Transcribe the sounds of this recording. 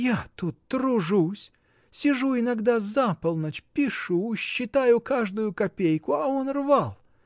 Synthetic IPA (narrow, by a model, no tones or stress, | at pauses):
jat̪ut̪ːɾʊʐusʲ | sʲɪʐuɪnɐɡd̪azapəlˠnət͡ɕpʲɪʂuʊɕːɪt̪ajʊkaʐd̪ʊjʊkɐpʲejkʊɐonrvalˠ